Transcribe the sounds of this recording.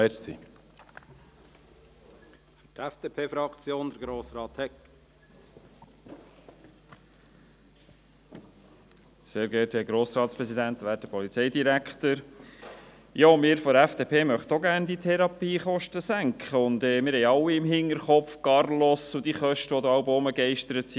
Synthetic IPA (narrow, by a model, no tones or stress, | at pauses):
ɛsḭ | ftæfd̥eːpʰeːfɾɑkt͡sjoːnd̪əɾɡɾoːsɾɑːt̪hɛk | seːɾɡɛtɛɡɾoːsɾɑːt̪spɾɛsid̪ænt̪ʋæːt̚dəpʰɔlit͡sɛɪd̪iɾækχt̪əɾ | jɑːmɪːɾfɔæfd̥eːpʰeːmœχt̪ɔɡæːɾnd̪it̪ʰɛɾɑpiːχɔʃtəsæŋkχəʊnd̪ɛːmɪɾhɛjɑlwːiɪmɦɪŋəɾχɔfkɑrlɔsʊd̪iχœʃtəʋɔd̪əɑlbʊməɡɛɪʃtəɾət̪si